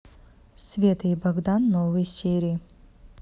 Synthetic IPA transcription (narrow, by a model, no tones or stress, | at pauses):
svʲet̪ʰɨibɐɡd̪anːovɨjsʲeɾʲii